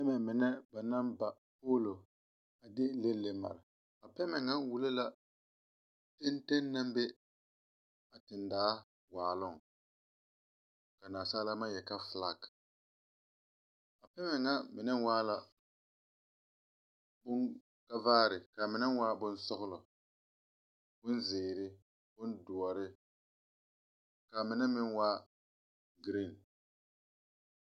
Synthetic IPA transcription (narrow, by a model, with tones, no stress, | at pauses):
pɛ˦mɛ˨mɪ˨nɛ˦ba˨na˦mba˨ | poː˦lo˨ | a˨dɪ˦le˦lːe˨ma̰˨ɾɪ˨ | a˨pɛ˦mɛ˨ŋa˦wu˨le˦la˦ | te˦n˦te˦nːa˦mbe˦ | a˨tɪ˨ndaː˦ | waː˨lʊ˦˨ŋ˨ | ka˨naː˨saː˦la˦ma˦jɛ˨ka˦fla˦˨k | a˨pɛ˦mɛ˨ŋa˦mɪ˨nɛ˦n˦waː˦la˦ | bʊ˦ŋ | ka˦vaː˦ɾɪ˨ka˨mɪ˨˦nɛ˦n˦wa˦bʊ˦n˦sʊ˦ɣʊ˦lɔ˨ | bʊ˦n˦zɪː˨ɾɪ˦ | bʊ˦ndʊ˨ɔ˨ɾɪ˦ | ka˨mɪ˨˦nɛ˦mɪ˦n˦wa˦ | ɡɾi˦˨n